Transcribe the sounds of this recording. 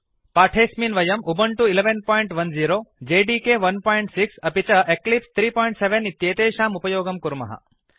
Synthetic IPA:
paːʈʰeːsmiːnʋɐjɐmʔubɐɳʈuileʋenpoːjɳʈʋɐnziːɾoːd͡ʒeːɖiːkeʋɐnpoːjɳʈsiksɐpit͡ʃɐʔeklipst̪ʰɾiːpoːjiɳʈseʋenit̪jeːt̪eːʃaːmupɐjoːɡɐmkuɾmɐ̰ɦɐ̰

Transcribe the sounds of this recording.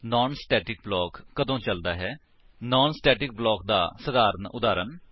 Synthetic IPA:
nɔːnsʈɛːʈɪk̚blɔːkːəd̪õːt͡ʃəld̪aːɦɛː | nɔːnsʈɛːʈɪk̚blɔːk̚d̪a̰ːsəd̪aːɾənʊ̰d̪aːɾən

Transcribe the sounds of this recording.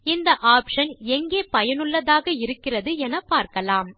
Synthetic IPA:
ɪnd̪ɐʔaːpʂɐnɛŋɡeːpɐjɐnɯɭːɐðaːɣɐɪɾɯkːɪrɐðɯɛnɐpːaːɾkɐlaːm

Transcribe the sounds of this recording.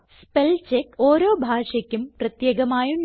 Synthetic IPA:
spelt͡ɕekːoːɾo̞ːbʱaːʂɐkʲːumprɐt̪jeːɡɐmaːjuɳ

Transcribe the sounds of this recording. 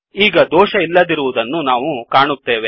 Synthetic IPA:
iːɡɐd̪ɔːʃɐilːɐd̪iɾuʋud̪ɐnːunaːʋukaːɳut̪ːe̞ːʋe̞

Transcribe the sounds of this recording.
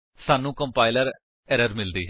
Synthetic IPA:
saːnːũːkə̃mpaːɪləɾ | ɛɾəɾmɪld̪iː

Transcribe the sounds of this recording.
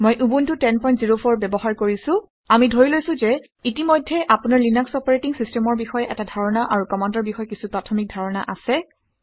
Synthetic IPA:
mojʔubuntʊtɛnpɔjntziɹopʰɔɹbɛbɔɦaɹkoɹisʊ̃ | amidʱoɹilojsʊ̃zɛ | itimɔjdʱːɛʔapunaɹlinaksɔpaɹetiŋsistɛmɔɹbixɔjɛʔɛtadʱaɹɔnaʔaɹukɔmandɔɹbixɔjɛkisupɹatʰɔmik̚dʱaɹɔna̰ʔasɛ

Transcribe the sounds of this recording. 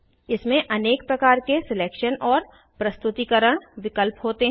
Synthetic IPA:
ɪsmẽʔɐneːk̚pɾɐkaːɾkesɪleːkʃənɔːɾ | pɾɐst̪ʊt̪ikəɾəɽ̃ʋɪkəlpɦoːt̪eɦ

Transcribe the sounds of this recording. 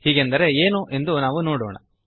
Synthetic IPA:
hiːɡend̪ɐɾe̞eːnuʔe̞nd̪unaːʋunoːɽo̰ːɳɐ̰

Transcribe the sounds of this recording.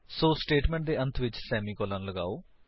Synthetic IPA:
soːsʈeːʈmẽɳʈ̚d̪eʔɐnt̪ʰʋit͡ʃsɛːmikoːlaːnluɡaːo

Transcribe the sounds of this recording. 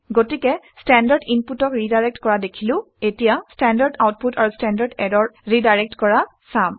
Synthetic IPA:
ɡotikɛstɛndaɹdinputɔkɹidajɹɛk̚tkɔɹadekʰilʊ̃ | etijastɛndaɹdawt̚putaɹustɛndadɛdɔɹɹidajɹɛk̚tkɔɹa | sam

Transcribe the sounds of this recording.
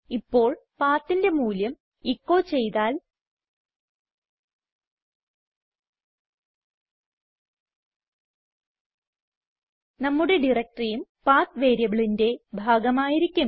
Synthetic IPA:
ipːo̞ːɭpaːt̪ːinde̞muːljɐm | ikːo̞ːt͡ɕe̞jt̪aːl | nɐmːuɽe̞ɖirɐk̚ʈrijumpaːt̪ʋe̞ːɾjɐʋiɭinde̞bʱaːɡɐmaːjiɾikʲːum

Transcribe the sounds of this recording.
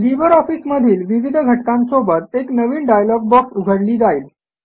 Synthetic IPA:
libəɾɔfiːsməd̪ʱiːlʋiʋid̪ʱɡʱəʈkãnsobət̪̚eknəʋiːnɖajlɔɡ̚bɔksuɡʱəɽliːd͡zaiːl

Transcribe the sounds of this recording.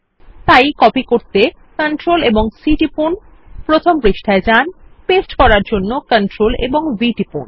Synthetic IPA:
t̪ajkɔpikoɾt̪e | kəɳʈɾoleboŋsiʈipun | pɾot̪ʰompɾeʃʈʰaed͡ʑanpesʈkɔɾaɾd͡ʑonːokəɳʈɾolḛboŋbiʈipun

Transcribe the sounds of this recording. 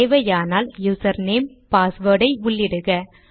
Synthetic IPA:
ʋɐjaːnaːljuːsɐɾneːm | paːsʋoːɽɐɪʊɭːɪɽɯɣɐ

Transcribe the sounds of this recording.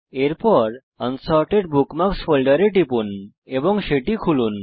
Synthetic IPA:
eɾpɔɾ | ənsɔɾʈeɖbʱukmaksfolɖəɾeʈipun | ebɔŋɡʃeʈikʰulun

